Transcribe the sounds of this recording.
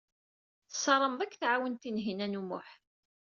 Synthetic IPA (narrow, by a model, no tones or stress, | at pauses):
θə̥sˤɑɾˤəmðˤækːθʕawənt̪inɦinænumʊ̰ħ